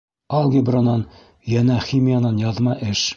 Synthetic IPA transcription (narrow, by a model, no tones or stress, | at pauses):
ɒlˠɡʲibronɑn | jænæχimʲijanɑnjɒðmɑʔɘʃ